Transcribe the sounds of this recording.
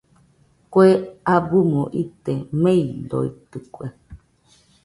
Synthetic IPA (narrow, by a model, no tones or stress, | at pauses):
koeabumõʔit̪emẽid̪o̰it̪ɨkʷe